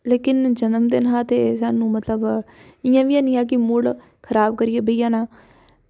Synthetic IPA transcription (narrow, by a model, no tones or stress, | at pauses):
leːkɪnd͡ʒənəmd̪ɪnɦãːt̪eːsaːnũːmət̪ləb | ɪjãːʋɪãːnĩːãːk̬ɪmʊɽ | kʰəɾaːb̚kəɾɪjeːbəijãːnãː